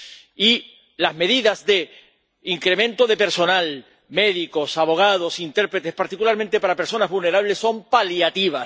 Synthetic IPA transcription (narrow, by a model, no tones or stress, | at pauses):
i | lazme̞ðiðazðe̞ | iŋkɾemẽ̞nt̪o̞ðe̞pe̞ɾso̞nal | me̞ðikosaβo̞ɣ̞að̞o̞sint̪eɾpɾet̪e̞spaɾt̪ikulaɾmẽnt̪e̞paɾape̞ɾso̞nazβulne̞ɾaβlesːo̞mpaljat̪iβ̞a